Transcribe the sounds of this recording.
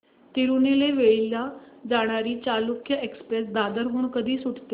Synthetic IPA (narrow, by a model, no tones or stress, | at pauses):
t̪iɾuneleʋeilːad͡zaɽ̃aɾiːt͡ɕalukʰjəekspɾesd̪ad̪əɾɦuːɳkəd̪ʱiːsuʈt̪e